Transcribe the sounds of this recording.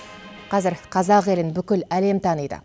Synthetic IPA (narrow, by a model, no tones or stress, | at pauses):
qʰɑzɪɾqʰɑzɑqe̞lɪnbʏkʲɪlæle̞mt̪ʰɑnəjd̪ə̰